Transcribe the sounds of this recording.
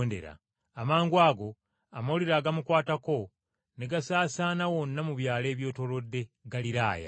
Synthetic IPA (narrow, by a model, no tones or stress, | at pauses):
nde̞̰ɾa̰ | amaːŋɡuwaːɡo̞ | amawoliɾaːɡamukwaːtako̞ | neɡasaːsanawo̞nːamuβjaːle̞ːβjo̞ːto̞lo̞dːe̞ɡaliɾaːja̰